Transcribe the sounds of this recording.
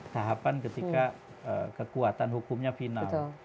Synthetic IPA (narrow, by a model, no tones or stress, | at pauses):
t̪aɦapankət̪ika | ə̰kəkuat̪anɦukumɲafinaʊl